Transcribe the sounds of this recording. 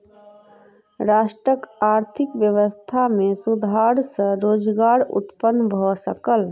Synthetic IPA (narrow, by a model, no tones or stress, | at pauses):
ɾasʈɾəkaɾt̪ʰikʋjəʋəst̪ʰamesud̪ʱaɾsə̃ɾoːd͡ʒɡaɾṵt̪pənːbʱɔsəkəl